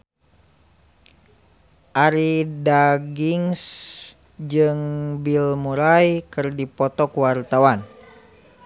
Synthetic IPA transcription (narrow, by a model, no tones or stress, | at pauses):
ʔaɾidaɡiŋs | d͡ʒɨŋbilmuɾajkɨrdipɔt̪ɔkwart̪awan